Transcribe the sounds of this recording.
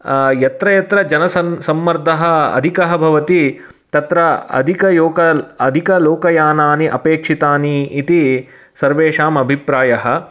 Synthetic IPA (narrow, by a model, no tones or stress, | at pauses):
jɐt̪ɾɐjɐt̪ɾɐd͡ʒɐnɐsɐsɐmːɐɾd̪ʱɐɦɐ̆ɐ̰d̪ʱikɐɦɐbʱɐʋɐt̪i | t̪ɐt̪ɾɐɐ̰d̪ʱikɐjoːkɐɐd̪ʱikɐloːkɐjaːnaːniʔɐpeːkʂit̪aːniːt̪i | sɐɾʋeːʂaːmɐbʱipɾaːjɐɦɐ̆